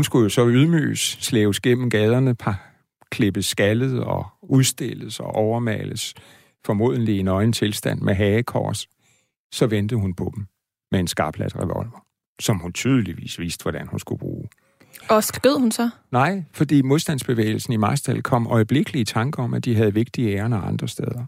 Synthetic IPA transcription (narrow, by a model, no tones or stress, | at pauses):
hunsɡ̥ujo̝sɒ̽yðˠmy̰ːəsːleːʊsɡ̥em̰m̩ɡ̥ɛːð̞ˠɐnəpʰɑ | kʰle̝b̥əsːɡ̥ælð̩ˠɒ̽uðˠsd̥e̝l̰əsɒʔɒʊɐmɛ̰ːləs | fɒ̽mo̝̰ðˠn̩lie̝nɒ̽ɪn̩t͡sʰe̝lsd̥æn̰mʔeɦɛːkʰɒ̰ːs | sɒ̽ʋend̥ð̩ˠhunpʰɒ̽d̥em | mee̝nsɡ̥ɑ̈ːb̥læ̰d̥ʁɛʋɒ̽lʋɐ | sɒ̽mhunt͡sʰyð̞ˠəliʋḭːsʋisd̥əʋɒd̥ænhunsɡ̥ub̥ʁṵː | ɒsɡ̥ʁeð̰ˠhunsɒ | nɑ̈ɪ̰fɒ̽d̥ḭːmo̝ðˠsd̥ænsb̥e̝ʋḛːɪl̩sn̩imɑ̈sd̥ælkʰɒ̽m̰ɒɪb̥le̝ɡ̥əliət͡sʰɑ̈ŋɡ̥ɐɒ̽mʔæd̥iɦæð̞̩ˠʋe̝ɡ̥d̥iəeːɐnɒɑ̈nd̥ʁɐsd̥eð̞ˠɐ